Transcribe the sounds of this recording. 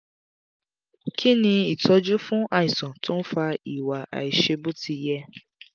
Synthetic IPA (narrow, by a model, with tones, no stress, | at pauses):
kʰi˦nĩ˧i˨tʰɔ˧d͡ʒu˦fũ˦ʔa˧i˨sɔ̃˨tʊ̃˦n̩˦fa˧i˨wa˨ʔa̰˨i˨ʃe˧bu˦ti˧jɛ˦